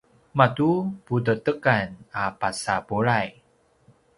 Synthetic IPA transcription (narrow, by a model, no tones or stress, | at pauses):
matupudətəkanapasapuɾaj